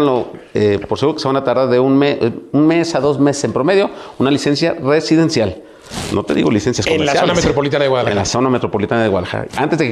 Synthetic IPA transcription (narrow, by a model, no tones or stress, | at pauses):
nloepoɾseɣuɾoke̥sanat̪aɾðaɾðeunmeunme̞saðo̞zme̞sesempɾo̞me̞ðjo̞unalise̞nsjare̞siðe̞nsjal | nʔo̞̰t̪e̞ðḭɣo̞lisensjaskomesanamet̪ɾopolit̪anaðeɣwaðaḛnlaso̞name̞t̪ɾo̞polit̪anaðewaðaxa̰ant̪e̞zðek